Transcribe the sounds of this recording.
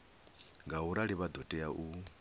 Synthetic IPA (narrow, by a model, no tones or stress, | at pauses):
ŋɡaɦuɾaɺiβad̪ɔtʼɛjaʔu